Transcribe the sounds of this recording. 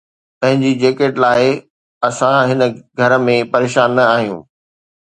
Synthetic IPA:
pɐ̃ɦɪ̃ɲd͡ʑid͡ʑeːkeːʈlaːɪ | ɐsãɦɪnəɡʱɐɾə̆mẽpɐɾeːʃaːnːɐaːɦijũː

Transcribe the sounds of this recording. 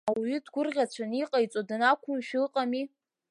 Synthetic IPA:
awɥidɡʷʊrʁʲat͡ɕʷʰaniqʼajt͡sʷʼodɨnakʷʰʊmʃᶣlqʼami

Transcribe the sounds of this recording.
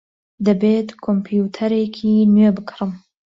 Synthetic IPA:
d̪ɐbeːt̪kʰompʰjut̪ʰɐɾekʰiːnɥebɨkʰɾɨm

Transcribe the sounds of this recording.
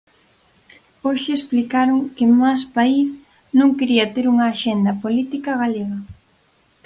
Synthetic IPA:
oʃɪesplikaɾoŋkɪmaspais | nõŋkeɾiɐt̪eɾuŋɐːʃend̪ɐpolit̪ikɐɣaleɣɐ

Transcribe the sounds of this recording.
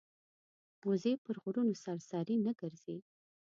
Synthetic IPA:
mozepəɾɣʊɾunosaɾsɑɾinəɡəɾz̥e

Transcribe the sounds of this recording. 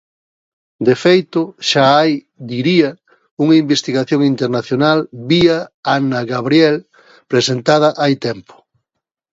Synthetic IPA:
d̪efejt̪ʊʃaaj | d̪iɾiɐ | uŋɐimbest̪iɣaθjoŋint̪eɾnaθjonalβiaanɐɣaβɾjɛl | pɾesent̪að̞ɐʔajt̪ɛmpo̥

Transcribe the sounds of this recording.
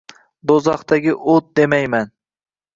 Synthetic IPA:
d̪ozɑχt̪aɡʲɪʔot̪̚d̪emajman

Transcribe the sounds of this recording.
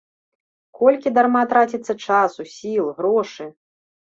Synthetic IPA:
kɔlʲkʲid̪armat̪ɾat͡sʲit̪sːɐt͡ʂasusʲilˠɣɾɔʂɨ

